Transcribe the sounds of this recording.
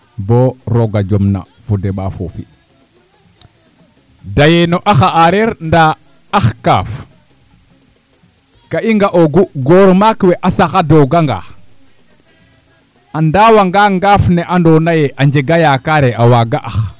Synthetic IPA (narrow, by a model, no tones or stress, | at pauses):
boɾoɡad͡ʒomna̰ | fudeɓa̰fo̰fḭ | dajenoʔaxaʔaɾeɾnda | axka̰ːf | kaiŋɡaʔoɡuɡoɾmakwɛʔasaxadoɡaŋɡa̰ | andawaŋɡaŋɡaːfnɛʔandonajeʔaɲd͡ʒeɡajakaɾɛʔawaɡaʔax